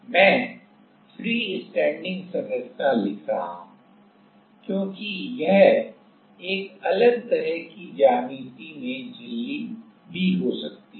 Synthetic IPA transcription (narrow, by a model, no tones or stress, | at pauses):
mɛ̃ː | fʰɾiːɪsʈɛ̃ːɳɖɪ̃ŋɡsɐnəst̪alɪkʰa̰ɦṵ̃ | kjõːkijɛɦ | eːkɐləɡ̚t̪ɐɾəɦkid͡ʒaːmiːt̪imẽd͡ʒɪlːi | bʱiɦosɐk̚t̪i